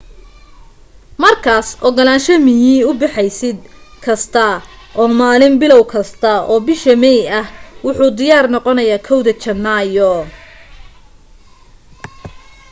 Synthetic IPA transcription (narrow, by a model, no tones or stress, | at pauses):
mɐrkʰaːsʔɔɡɐlaːnʃɐmɪjiːʊbɑħɛjsɪd̪̚kʰɐst̪ʰɐ | ʔɔːmaːlɪmbɪlɔwkʰɐst̪ʰɐɔːbɪʃɐmɛjɐhwʊħuːd̪ɪjaːrnɔqɔnɐjaːkʰɔwðɐt͡ʃɐnːaːjɔ